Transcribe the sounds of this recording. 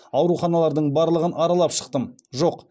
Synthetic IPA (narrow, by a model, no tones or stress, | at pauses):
ɑwɾuχɑnɑlˠɑɾd̪əɴbɑɾlˠəʁənʔɑɾɑlˠɑpʃə̥qt̪əm | ʒoq